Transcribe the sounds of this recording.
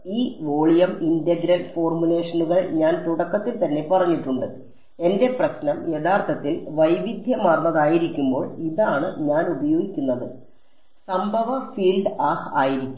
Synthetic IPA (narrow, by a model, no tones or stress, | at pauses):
iːʋo̞ːɭijɐmindɐɡɾɐlfo̞ːrmule̞ːʂɐnuɣɐɭɲaːnt̪uɽɐkːɐt̪ːilt̪ɐnːe̞pɐrɐɲːiʈːuɳɖɨ | e̞nde̞prɐɕnɐme̞ðaːrt̪ʰɐt̪ːilʋɐjʋid̪ʱjɐmarnːɐðaːjiɾikʲːumbo̞ːɭiðaːɳɨɲaːnubɐjo̞ːɡikʲːunːɐðɨ | sɐmbʱɐʋɐfiːlɖaːhaːjiɾikʲː